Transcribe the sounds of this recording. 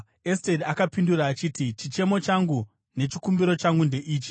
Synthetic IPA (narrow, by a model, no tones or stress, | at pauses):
estedakapinduraːt͡ʃitit͡ʃit͡ʃe̞mo̞t͡ʃaŋɡu | ne̞t͡ʃikumbiɾo̞t͡ʃaŋɡunde̞ʔiːt͡ʃi̥